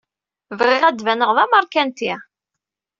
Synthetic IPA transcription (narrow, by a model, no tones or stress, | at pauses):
vʁiʁæd̪vænəʁðˤɑmɑɾˤkænt̪i